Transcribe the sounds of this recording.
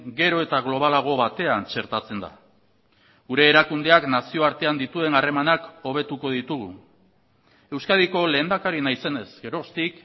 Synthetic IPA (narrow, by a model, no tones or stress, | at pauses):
ɡe̞ɾo̞e̞t̪aɣ̞lo̞β̞alaɣ̞o̞βat̪e̞ant͡ʃe̞ɾt̪at͡se̞nd̪a̰ | ɡuɾe̞ːɾakund̪eaknasio̞aɾt̪e̞and̪it̪ue̞nare̞manako̞β̞e̞t̪uko̞ðit̪uɣ̞ṵ | e̞wskaðiko̞le̞ːnd̪akaɾinajse̞ne̞zɡe̞ɾo̞st̪ik